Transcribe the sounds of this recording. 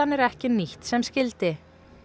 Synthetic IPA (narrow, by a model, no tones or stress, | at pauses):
anːɛɾɛhcɪniht̪sɛmscɪlt̪ɪ